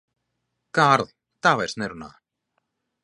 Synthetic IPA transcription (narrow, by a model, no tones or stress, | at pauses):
kaːɾðˠ | t̪aːvajrsnɛɾuna̰ː